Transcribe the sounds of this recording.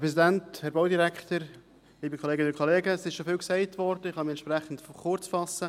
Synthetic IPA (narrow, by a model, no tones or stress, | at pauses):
pɾɛs̬idænthɛɾb̥awdiɾɛktəɾ | liːbəkχoleːɡənʊnkʰχoleːɡəːsɪʃʃofɪlksɛɪtvɔɾd̥əɪχhɑmiɛnt͡ʃʃpɾæχən̩tfχʊɾt͡sfɑsə